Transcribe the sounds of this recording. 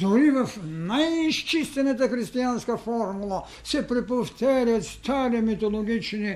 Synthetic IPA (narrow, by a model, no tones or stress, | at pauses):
d̪oɾiʋənajniʃt͡ʃist̪ɛnat̪̬axɾist̪ijanskafɔɾmulˠa | sɛpɾɛpoft̪ɛːɾat̪st̪ʰaːɾimit̪oloɡit͡ʃni